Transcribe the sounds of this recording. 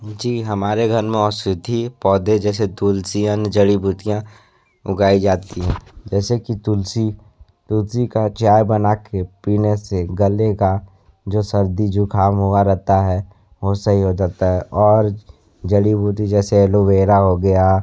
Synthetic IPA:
d͡ʒiːɦɐmaːɾeɡʱɐɾmẽɔːɾsɪd̪ʱipɔːd̪ʱed͡ʒɛːset̪ulsijənd͡ʒəɽibuːt̪ijã | ʊɡaːid͡ʒaːt̪iɦɛ̃ːd͡ʒɛːsekit̪ʊlsi | t̪ʊlsikat͡ʃjaːjbənakepiːneseɡəleka | d͡ʒoːsəɾd̪id͡ʒukʰaːmɦoaɾɛt̪aɦɛ | ʋosɐɦiɦod͡ʒaːt̪aɦɛʔɔːɾ | d͡ʒəɽibuːt̪id͡ʒɛːseɛloʋeːɾaɦoɡɐja

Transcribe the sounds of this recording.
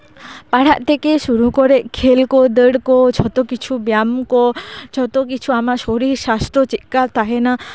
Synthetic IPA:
paɽ̤aʔt̪ʰekeʃuɾukɔɾeʔkʰelkod̪əɽkot͡ʃʰɔt̪okit͡ʃʰubjamkot͡ʃʰɔt̪okit͡ʃʰuamaʃoɾiɾsast̪ot͡ʃitkat̪aɦena

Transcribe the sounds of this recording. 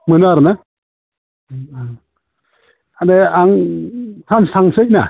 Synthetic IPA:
mɯnaɾna | adeaŋtʰansaŋsɯjʔ̚na̰

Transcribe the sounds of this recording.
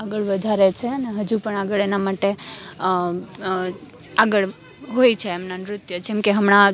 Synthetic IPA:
aɡəɭʋəd̪ʱaɾet͡ʃʰeəneɦəd͡ʒupəɳaɡəɭenamaʈe | aɡəɭ | ɦojt͡ʃʰeːmnanɾʊt̪jəd͡ʒɛmkeɦəmɳ̃a

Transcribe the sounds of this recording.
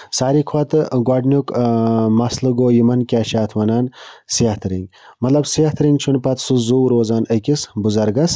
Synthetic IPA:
saːɾikʰwat̪ɨɡwaːɖnʲukmɐslɨɡoːjimɐnkʲaːʃaːt̪ʰʋɐnaːnsiaht̪ʰɨɾḭŋɡʲ | mɐt̪lɐbsiaht̪ɾiŋɡt͡ʃʰunpɐt̪sɨzuwɾoːzaːnɐkʲisbuzɐɾɡɐs

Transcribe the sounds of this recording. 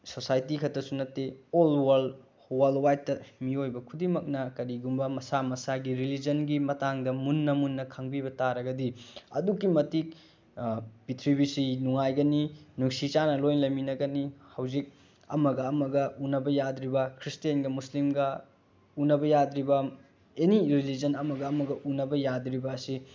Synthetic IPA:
sosajtikʰɐtʰɐsunɐtːeolwɐɾl | wɐlwajtːɐmiojbɐkʰudimɐk̚nɐkɐɾiɡumbɐmɐsamɐsaɡiɾilid͡ʒɐnɡimɐtaŋdɐmunːɐmunːɐkʰɐŋbibɐtaɾɐɡɐdiɐ̰dukːimɐtik̚ | pitʰɾibisinuŋajɡɐninuŋsit͡ʃanɐlojnlɐminɐɡɐnihɐwzik̚ | ɐ̰mɐɡɐːmɐɡɐʔunɐbɐjadɾibɐkʰɾistijɐnɡɐmuslimɡɐ | unɐbɐjadɾibɐ | eniɾilid͡ʒɐnɐmɐɡɐːmɐɡɐʔunɐbɐjadɾibɐːsi

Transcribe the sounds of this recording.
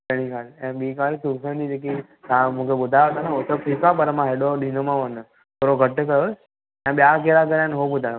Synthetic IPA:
əɽ̃ikʰaːlɛ̃ɓiːkaːlsusənd̪id͡ʒek̬i | t̪ãm̤ũkeɓʊd̪ʱajot̪anãɦot̪opʰikapɐɾmãɦeɗoɗiːnomãʋənə | t̪ʰoːɾoɡʱəʈkəjo | ɛ̃ːɓijakeɾakəɾãnɦoɓʊd̪ʱajo

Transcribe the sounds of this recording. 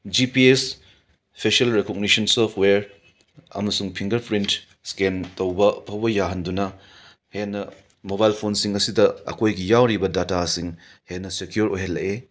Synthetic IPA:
d͡ʒipies | pʰeselɾekoɡ̚nisɐnsopʰweɾ | ɐ̰mɐsuŋpʰiŋɡɐɾpʰɾint | skentowbɐpʰɐwbɐjaɦɐndunɐ | henːɐ | moβajlpʰonsiŋɐsidɐɐ̰kʰojɡijawɾibɐdatasiŋ | henːɐsekjuɾojɦelɐʔe

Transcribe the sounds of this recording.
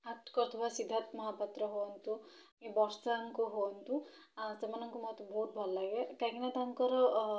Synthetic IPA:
ɐt̪kɔɾt̪ʰɐbʱasid̪ʱːat̪mɐɦapɐt̪ɾɐɦoɐnt̪u | ibɔɾsaŋkuɦont̪u | sɐmɐnɐŋkumɐt̪ːubʱoːʈ̚bʱɐlːɐɡekɐɡinat̪aŋkɐɾɐ

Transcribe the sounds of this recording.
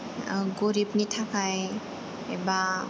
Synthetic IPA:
ɡoɾip̚nitʰakʰaj | eba

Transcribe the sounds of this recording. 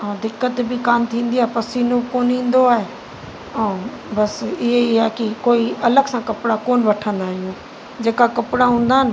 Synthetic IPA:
ãːd̪ɪkːət̪bɪkaːnt̪ʰĩːn̆d̪iaːɦpɐsiːnokoːnɦĩːn̆d̪oaːɦe | ɐ̃ː | bɐsɪɦeɪɦaɦekikoːiʔɐləɡsãkɐpɽakoːnʋɐʈʰə̃nd̪aːɦijũː | d͡ʑeːkakɐpɽaɦũːn̆d̪aːɦɪnɪ̆

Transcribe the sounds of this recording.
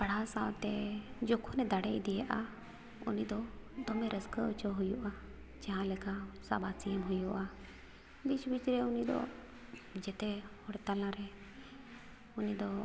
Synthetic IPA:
paɽ̤asawt̪ɛd͡ʒɔkʰɔnɛd̪aɽɛjd̪ɛjaʔa | ṵnid̪ɔd̪ɔmɛɾəskəət͡ʃɔɦujuʔa | d͡ʒaɦãlɛkasa̰basiəmɦujuʔa | bit͡ʃbit͡ʃɾɛunid̪ɔ̰ | d͡ʒɛt̪ɛhɔɽt̪alãɾɛ | unid̪ɔ

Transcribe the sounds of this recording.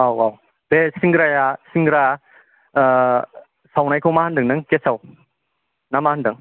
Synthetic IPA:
awwaw | besiŋɡɾajasiŋɡɾa | sawnajkʰowmahandɯŋnɯŋkesaw | namahandɯŋ

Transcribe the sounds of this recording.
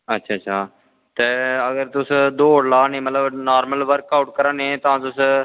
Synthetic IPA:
ətːʃʰaːtːʃʰaː | t̪eːəɡəɾt̪ʊsd̪oːɽlaːnẽːmət̪ləbnaːɾməlʋəɾkaːʊʈ̚kəɾãːneɛ̃ːt̪ãːt̪ʊs

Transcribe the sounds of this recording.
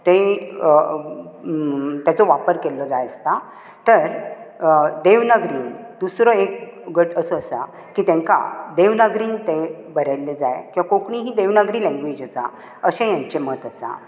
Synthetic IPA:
t̪ẽ | t̪jat͡sɔʋapəɾkelɔd͡zajəst̪a | t̪əɾ | d̪eʋnəɡɾiːn | d̪usɾɔek̚ɡəʈəsɔəsa | kiːt̪ɛ̃ŋka̰d̪eʋnəɡɾiːnt̪ẽbəɾajlːed͡za̰jkĩwʋakõkɳiːɦiːd̪eʋnəɡɾiːlɛ̃ŋɡʋed͡ʑəsa | əɕẽjãɲt͡ɕemət̪əsa̰

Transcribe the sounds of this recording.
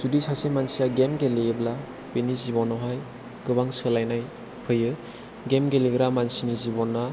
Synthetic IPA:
zudisasemansijaɡemɡeleːbla | penizibɔnɔɦaj | ɡɯbaŋsɯlajnaj | pʰɯjɯ | ɡemɡeleɡɾamansinizibɔnːa

